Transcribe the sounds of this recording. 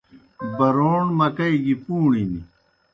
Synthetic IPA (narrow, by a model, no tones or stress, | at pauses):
bɐɾoːɳmɐkɐiɡipuːɳimḭ